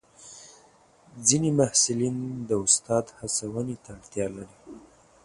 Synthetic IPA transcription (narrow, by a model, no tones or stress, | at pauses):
d͡zinemahsɪlind̪əʊst̪ɑd̪hasawənet̪aɽt̪jɑlaɽi